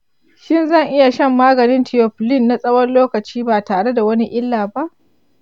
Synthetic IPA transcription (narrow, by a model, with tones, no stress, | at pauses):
ʃɪ˦nzɐ˦˨ŋʔɪ˦ja˨ʃɐ˦˨mːaː˦ɡɐ˨nɪ˦ntʰɪ˨jɔ˨ɸlɪ˦nːa˨sʼɐ˦wɐ˦nloː˦kɐ˨t͡ʃiː˦baː˨taː˨ɽe˦da˨wɐ˦ni˦ʔɪ˦lːaː˨ba˦ʔ